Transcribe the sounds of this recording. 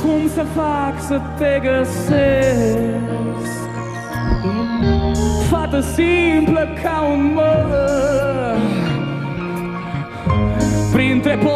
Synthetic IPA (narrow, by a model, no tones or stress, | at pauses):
komsɐfaksɨt̪eɡɐse | fat̪ɐsĩplɐkʰawmɐ | pɾĩnt̪ɾepo